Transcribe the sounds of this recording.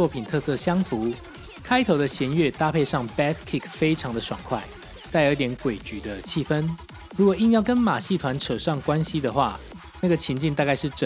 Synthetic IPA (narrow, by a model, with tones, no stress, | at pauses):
ɔ˥˨˩pʰi˨˩nt̪ʰɤ˥˧sɤ˥˨ɕjɑ˥ŋfu˨˦ | kʰa˥ɪt̪ʰo˧˥ʊd̪ə˧ɕjɛ˧˥nɥɛ˥˨t̪a˥˧pʰe˥˧ɪʂɑ˥˩ŋpɛ˥skʰi˥˧˩kfe˥ɪʈ͡ʂʰɑ˨˧˦ŋd̪ə˨ʂwa̰˨˩ŋkʰwa˥˩ɪ | t̪a˥˩ɪə˧˥t̪̬jɛ˧˥nkwe˨˩ɪt͡ɕy˨˩d̪ə˦t͡ɕʰi˥˩fə˦˥n | ɻu˧˥kwɔ˨˩i˥˧ŋjɑ˥˩ʊkə˦˥nma˨˩ɕi˥˩t̪ʰwa˧˦nʈ͡ʂʰɤ˨˩ʂɑ˥˩ŋkwa˦nɕi˦d̪ə˨xwa̰˥˩ | na˥˩ɡə˩t͡ɕʰi˧˥nt͡ɕi˥˧nt̪a˥˧ka˥˧ɪʂɻ̩˥˩ʈ͡ʂə˨